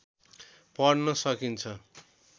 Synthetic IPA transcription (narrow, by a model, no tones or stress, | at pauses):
pʌɽnʌsʌkint͡sʰʌ